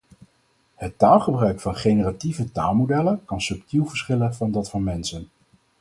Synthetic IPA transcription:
hətːaːlˠχəbrœɥkfɑnχejnərativətaːlˠmowdɛlənkɑnsɵptilˠvəɹsχɪlənvɑndɑtfʊːɹmɛnsən

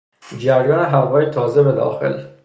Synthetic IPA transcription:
d͡ʒæɾjɒːneɦævɒːjet̪ʰɒːzebed̪ɒ̰ːxe̞̰l

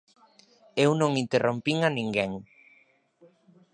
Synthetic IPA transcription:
ewnõŋint̪erʔompiŋanĩŋɡeŋ

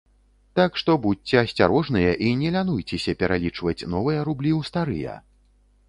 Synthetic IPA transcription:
t̪akʂt̪ɔbut͡sʲɛɐsʲt͡sʲa̰ɾɔʐnɨjɐʔinʲɛlʲanujt͡sʲɛsʲɐpʲɛɾʔalʲit͡ʂvɐt͡sʲnɔvɨjɐɾublʲiwst̪aɾɨ̰jɐ̰

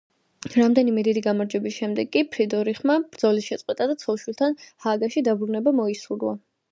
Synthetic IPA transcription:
ɾamd̪ɛnimɛd̪id̪iɡamaɾd͡ʒɛbisʃɛmd̪ɛɡːʼipʰɾid̪ɔɾiχmab̥ɾd̪zɔlisʃɛt̪sʼqʼwɛt̪ʼad̪at̪sʰɔlˠʃwilˠt̪ʰanhaːɡaʃid̪abɾunɛbamɔisuɾa̰

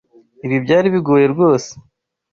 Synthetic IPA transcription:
iβjibɟaːɾiβiɡoːje̞ɾɡo̞ːse̥

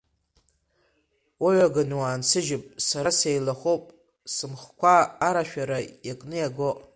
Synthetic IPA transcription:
waɥaɡanwaːnsʰɨʒɪpʼsaɾasejlaχʷowpʼ | sɨmχkʷaːɾaʃᶣaɾajakʼnɨjaɡoʔʼ

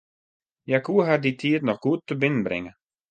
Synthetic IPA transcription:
jakuːəɦarditʰiətnɔχɡ̥uətːəbɪnənbɾɪ̰ŋə

